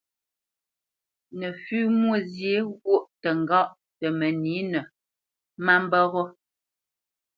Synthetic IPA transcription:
nə˨fʉː˦mwo˦˨zje˨˦ɣo˦˨ʔtə˨ŋ˨ɡɔ˦ʔ | tə˨mə˨ni˨˦nə˨ | ma˦m˦bɔ˦ɣɔ˦

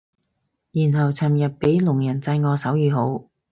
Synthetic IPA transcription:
jiː˨˩nɦɐ˨˩wt͡sʰɐ˨˩mjɐ˨t̚pe˨˥jlʊ˨˩ŋjɐ˨˩nt͡sɐ˧jŋɔː˨˧sɐ˨˥wjyː˨˧ɦo˨˥w

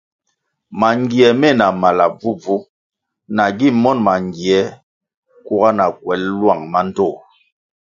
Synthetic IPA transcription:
ma˨ŋ˦ɡi˨ɛ˨mɛ˦˨na˨ma˨la˨b͡vu˦b͡vu˦ | na˨ɡi˦˨mɔ˦˨nma˨ŋ˨ɡi˨ɛ˨˦ | ku˦ɣa˦na˨k̚wɛ˨˦llwa˦˨ŋma˦n̩˦tɔ˦˨

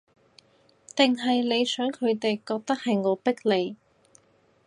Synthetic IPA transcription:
t̪ɪ˨ŋɦɐ˨jle˨˧jsœː˨˥ŋkʰɵ˨˧ɥt̪e˨jkɔː˧k̚t̪ɐ˥k̚hɐ˨jŋɔː˨˧pɪ˥k̚le˨˧j

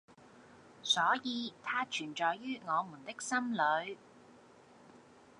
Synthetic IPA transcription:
sɔː˨˥jiː˨˧t̪ʰaː˥t͡ʃʰyː˨˩nt͡ʃɔː˨jːyː˥ŋɔː˨˧muː˨˩nt̪ɪ˥k̚sɐ˥mlɵ˨˧ɥ

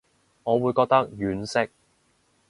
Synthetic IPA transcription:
ŋɔː˨˧wuː˨˧jkɔː˧k̚t̪ɐ˥k̚jyː˨˥nsɪ˥k̚

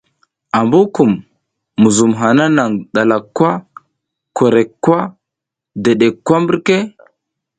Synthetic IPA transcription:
a˨mbu˦ku˨mː | u˨zu˨mɦa˨na˦na˨ŋɗa˨la˨kʷːwa˦ | ko˨ɾe˨kːwʷa˦ | de˨ɗe˨kːwa˦mbi˦ɾke˦

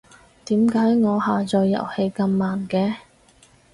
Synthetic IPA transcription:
t̪iː˨˥mkaː˨˥jŋɔː˨˧haː˨t͡sɔː˧jːɐ̰˨˩whe˧jkɐ˧mːaː˨˩nkɛː˧

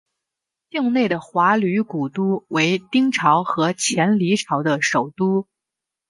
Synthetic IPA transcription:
t̪i˥˧ŋne˥˩ɪd̪ə˩xwa˧˥ly˧˥ku˨˩t̪u˥we˧˥ɪt̪i˥ŋʈ͡ʂʰɑ˧˥ʊxɤ˧˥t͡ɕʰjɛ˧˥nli˧˥ʈ͡ʂʰɑ˧˥ʊd̪ə˧ʂo˨˩ʊt̪u˥

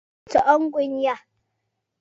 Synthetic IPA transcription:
t͡sɔ˨ʔɔ˦ŋ̩˦kʷʼɪ˦ɲ˦ja˦˨

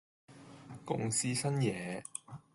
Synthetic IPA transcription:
kʊ̰˥ŋsiː˥sɐ˥njɛː˨˦

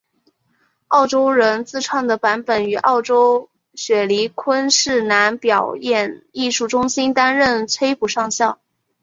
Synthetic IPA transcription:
ɑ˥˩ʊʈ͡ʂo˥ʊɻə˧˥nt͡sɹ̩˥˧ʈ͡ʂʰwɑ˥˩ŋd̪ə˩pa˧˥npə˨˩ny˨˩ʔɑ˥˩ʊʈ͡ʂo˥ʊ | ɕɥɛ˨˩li˧˥kʰwə˥nʂɻ̩˥˩na˧˥npjɑ˨˩ʊjɛ˥˧ni˥˧ʂu˥˩ʈ͡ʂʊ˥ŋɕi˥nt̪a˥nɻə˥˩nt͡sʰwe˥ɪpu˨˩ʂɑ˥˧ŋɕjɑ˥˩ʊ

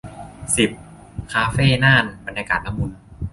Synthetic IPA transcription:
si˨˩p̚ | kʰaː˧feː˥˩naː˥˩nba˧nɲaː˧kaː˨˩t̪̚na˦˥mːu˧n

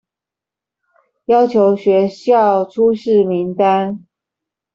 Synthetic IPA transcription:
jɑ˥ʊt͡ɕʰjo˧˥ʊɕɥɛ˧˥ɕjɑ˥˨ʊʈ͡ʂʰu˥ʂɻ̩˥˨mi˨˦ŋt̪a˦n

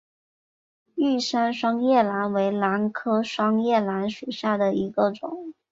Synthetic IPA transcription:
y˥˩ʂa˥nʂwɑ˥ŋjɛ˥˩la˧˥nwe˧˥ɪla˧˥nkʰɤ˥ʂwɑ˥ŋjɛ˥˩la˧˥nʂu˨˩ɕja˥˩d̪ə˩i˧˥ɡə˧ʈ͡ʂʊ̰˨˩˦ŋ

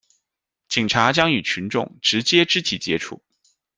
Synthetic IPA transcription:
t͡ɕi˨˩ŋʈ͡ʂʰa˧˥t͡ɕjɑ˥ŋy˨˩t͡ɕʰy˧˥nʈ͡ʂʊ˥˩ŋʈ͡ʂɻ̩˧˥t͡ɕjɛ˥ʈ͡ʂɻ̩˥t̪ʰi˨˩t͡ɕjɛ˥ʈ͡ʂʰṵ˥˩

